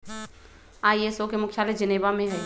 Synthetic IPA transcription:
aːijesokemʊkʰjaɾed͡ʒəneːbamẽɦɛː

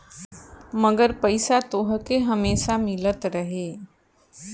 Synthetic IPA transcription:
məɡəɾpəɪsat̪oɦkeɦəmeːʃamɪlət̪ɾəɦeː

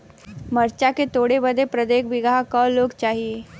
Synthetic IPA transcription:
məɾt͡ʃaket̪oɽebəd̪ʱepɾəd̪ekʋiɡakəloːɡt͡ʃaɦie

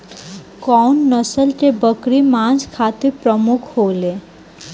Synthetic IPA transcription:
kɔwnːəsəlʈ̪ebəkɾimãːnd͡ʒkʰaːt̪iɾpɾəmukʰhoːle

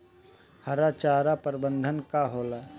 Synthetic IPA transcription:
hɐɾat͡ʃaːɾapəɾbə̃nd̪ʱənkaɦoːla

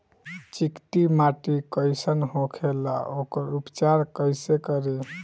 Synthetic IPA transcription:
t͡ʃikt̪imaʈikəjsənɦokʰela̰okəɾupt͡ʃaɾkəjsekəɾe

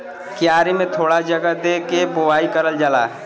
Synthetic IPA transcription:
kjaːɾimẽt̪ʰoːɽad͡ʒəɡəd̪ekeboʋaikəɾəld͡ʒala̰ː

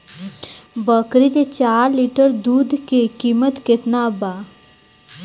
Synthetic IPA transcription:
bəkɾit̪et͡ɕaːɾliʈəɾd̪uːd̪ʱkekiːmət̪ket̪naba

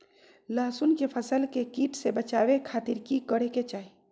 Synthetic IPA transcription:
laːsunkepʰəsəlkekiːʈsebət͡ʃaːwekʰaːt̪ɪɾkikəɽeket͡ʃaːi

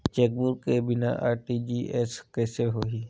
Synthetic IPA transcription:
t͡ʃɛk̚buɾkebɪna̰ʔaːɾʈid͡ʒiːʔeskɛːseɦoːɦi

